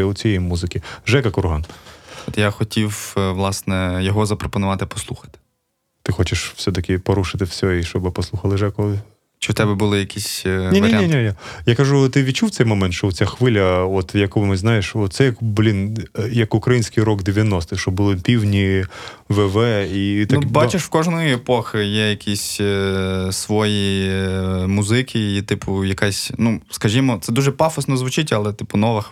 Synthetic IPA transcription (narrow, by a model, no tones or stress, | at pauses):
ɐʊt͡sʲijɛjmuzɪkʲiʒɛkɐkʊrɦɑnɔt̪jaxɔtʲiwʋlˠɑsnɛjɔɦɔzɐpɾɔpɔnʊʋɑt̪ɪpɔ̥slˠuxɐ̥t̪ɪ̥ | t̪ɪxɔt͡ʃɪʃw̥sʲɛt̪ɐkʲɪpɔɾuʃɪt̪ɪwsʲɔiʃt͡ʃɔbɪpɔslˠuxɐlˠɪʒɛkʊ | t͡ʃɪwt̪ɛbɛbʊlˠɪjɐkʲʰisʲninʋɐɾiainʲɛajakɐʒut̪ɪʋʲit͡ʃuw̪sɛjmɔmɛnt̪ʃt͡ʃɔʊt͡sʲaxʋɪlʲɐɔt̪jɐkɔmɪznɑjeʃɔt̪sɛjɐkblʲinjɐkʊkɾɐjinʲsʲkɪjɾɔɡd̪eʋʲjɐnɔst̪ɪʃɔbʊlˠɪpʲiwnʲiʋɛʋɛit̪nɐubɑt͡ʃɪʃwkɔʒnɔjʊepɔxɪjɛjɐkʲisʲ | sʋɔji | mʊzɪkʰʲɪit̪ɪpʰʊjɐkasʲnuskɐʒʲimɔt̪sɛd̪uʒɛpɑfɐsnɔzʋʊt͡ʃɪtʲɐlˠɛt̪ɪpʊnɔʋɐx